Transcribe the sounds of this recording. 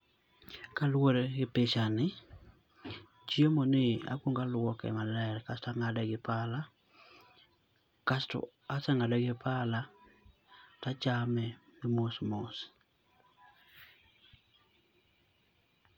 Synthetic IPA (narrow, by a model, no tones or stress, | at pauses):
kalwoɾɡɪpeʃanɪ | t͡ʃjemonɪa̰kwoŋɡalwɔkɛ̰malɛɾkastaŋadɛɡɪpala | kastɔ̰ | asɛŋadɛɡɪpʰala | tat͡ʃamɛmɪmosmos